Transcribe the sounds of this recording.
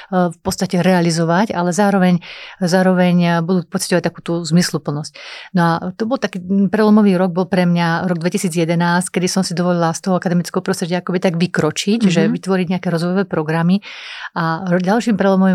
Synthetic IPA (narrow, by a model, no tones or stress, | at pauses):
fpɔtt͡sst̪acɛɾɛalizɔʋacalɛzaːɾɔʋɛɲzaːɾɔʋɛɲbud̪uːpɔt͡si̥cɔʋac̚t̪akuːt̪uzmislupl̩nɔscnɔat̪ɔbɔlt̪akiːpɾɛlɔmɔʋiːɾɔɡ̚bɔlpɾɛmɲaɾɔɡd̪ʋɛcisiːd͡zjɛd̪ɛnaːsckɛd̪isɔmsid̪ɔʋɔlilast̪ɔɦɔakad̪ɛmit͡skɛɦɔpɾɔst̪ɾɛɟɪaakɔbit̪aɡʋikɾɔt͡ʃicʒɛʋit̪ʋɔɾiɟɲɛakɛːɾɔzʋɔjɔʋɛːpɾɔɡɾamiaɾɟalʃiːmpɾɛlɔmɔʋi